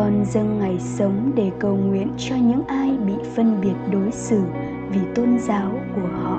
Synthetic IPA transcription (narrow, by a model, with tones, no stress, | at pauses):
ɔ˨˩nzə˧ŋːa˨˩jsə˨˦wŋ͡mɗe˧˩kə˨˩wŋwḭ˧˨ənt͡ɕɔ˧ɲɨ̰˧˥ŋʔaː˧jɓḭ˧˨fə˧nɓi˨˩ət̚ɗo˨˦jsɨ˧˩ | vi˨˩t̪o˧nzaː˨˦wku˧˩əhɔ̰˧˨ʔ